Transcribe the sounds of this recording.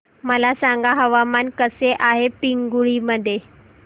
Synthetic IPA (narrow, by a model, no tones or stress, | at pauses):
məlasãŋɡaɦəʋamankəseʔaɦepiŋɡuɭiməd̪ʱje